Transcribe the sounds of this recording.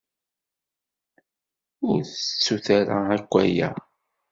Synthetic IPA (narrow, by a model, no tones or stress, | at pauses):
ʊɾθət͡sːuθaɾa̰ækʷːæjæ̰